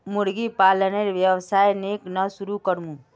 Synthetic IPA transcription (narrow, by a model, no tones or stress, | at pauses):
muɾɡipaləneɾʋjəwsaːjneknəsuɾukəɾmũ